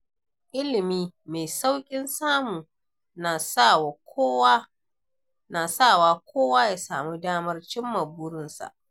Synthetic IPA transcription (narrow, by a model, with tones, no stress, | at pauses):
ʔɪ˦lɪ˨miː˦me˨sa˦wkʲʼɪ˦nsaː˦muː˨ | na˨sa˦˨wa˨ko˦w | na˨sa˦˨waː˦kʷʰoː˦waː˦jaː˦saː˨muː˦daː˦mɐ˦rt͡ʃɪ˦mːa˨bʊ˦ɽɪ˦nsa̰˨ʔ